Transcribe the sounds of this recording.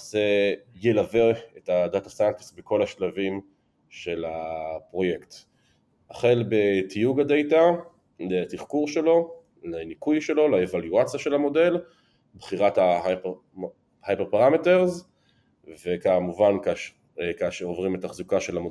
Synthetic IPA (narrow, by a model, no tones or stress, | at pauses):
zejelaveetadatasanksbekʰo̞laʃlavim | ʃe̞lapʁo̞je̞kt̪ | aχe̞lbetijuɡade̞jta | letiχkuʁʃe̞lo̞ | lanikujʃe̞lo̞laevaljuat͡sijaʃe̞lamo̞de̞l | bχiʁathahap | hajpeʁpaʁamete̞ʁz | vekamuvank | kaʃeovʁimetaχzukaʃe̞lamo